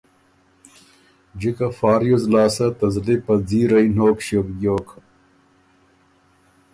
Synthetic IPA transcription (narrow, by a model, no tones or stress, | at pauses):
d͡ʑikɐfaːɾjozlaːsɐt̪ɐzlipɐd͡ziːɾɐinoːkɕokɡoːkʰ